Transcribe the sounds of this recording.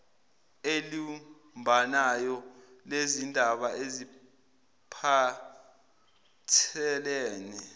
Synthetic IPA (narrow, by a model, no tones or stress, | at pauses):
eli | mbʱanajɔlezindʱaɓaʔezi | pʰa | tʰɛlɛːnɛ